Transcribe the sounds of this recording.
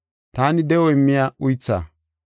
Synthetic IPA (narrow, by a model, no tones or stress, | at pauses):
t̪aːnɪd̪ɛwɔɪmːɪjaːʊjt͡sːa̰ː